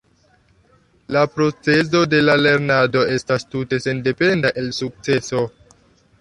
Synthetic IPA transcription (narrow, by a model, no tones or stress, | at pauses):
lapɾo̞t͡se̞zo̞de̞lale̞ɾnado̞e̞stastute̞se̞nde̞pe̞ndaʔe̞lsuk̚t͡se̞so̞